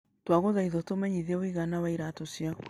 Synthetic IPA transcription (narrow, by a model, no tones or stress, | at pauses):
twaɣoðaiðɔtomɛɲiðɛwiɣanawaiɾatosia